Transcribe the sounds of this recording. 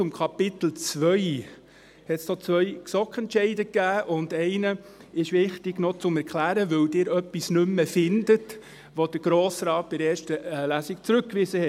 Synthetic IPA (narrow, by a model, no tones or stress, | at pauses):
ʊmkʰɑpɪt̪l̩t͡sʋœʏ | hɛt̪snɔt͡sʋœʏksɔkχɛntʃɛɪdəkːæːʔʊndɛɪnə | ɪʃʋɪχtɪɡnot͡sʊmɛɾkʰlæːɾəʋɵwdɪːɾœpːisnʏmːəfɪndət | ʋod̥əɾɡ̥ɾoːsɾɑːt̚b̥ɪɾɛːɾʃtəlæsikt͡sɾʉkkːʋɪzəhɛ